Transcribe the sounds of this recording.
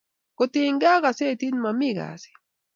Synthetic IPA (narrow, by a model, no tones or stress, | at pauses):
kʊt̪iŋɡɑɢɑset̪inmamiɡɑ̰si̥